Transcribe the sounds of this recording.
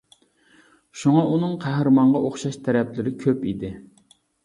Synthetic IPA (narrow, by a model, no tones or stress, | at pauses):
ʃuŋɑʔunɨŋqʰæhɾɨmɑɴʁɑʔoχʃɑʃt̪ʰæɾɛplɪɾɪkʲʰøpid̪ɪ